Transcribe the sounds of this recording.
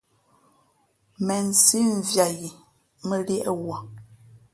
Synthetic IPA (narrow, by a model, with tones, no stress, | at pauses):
mɛ˨n˨si˦ɱ̩˨vja˨ji˨ | mə˦ljɛ˦ʔə˦wa˨